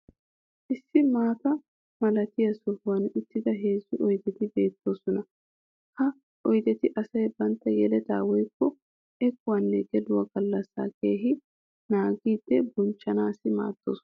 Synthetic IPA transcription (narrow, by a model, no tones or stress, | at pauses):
ʔɪsːɪmaːt̪ɐ | mɐlɐt̪ɪjɐsɔhʊwɐnɪt̪ːɪd̪ɐɦe̞ːzːʊʔɔjd̪ɛt̪ɪbe̞ːt̪ːo̞ːsɔnɐ | hɐ | ʔɔjd̪ɛt̪ɪʔɐsɐjbɐnt̪ːɐjɛlɛt̪a̰ːwɔjkːɔ | ʔɛkːʊwɐnːɛɡɛdʊwɐɡɐlːɐsːa̰ːke̞ːɦɪ | naːɡiːd̪̥ːɛbʊnt͡ʃːɐnaːsɪma̰ːt̪ːo̰ːsɔ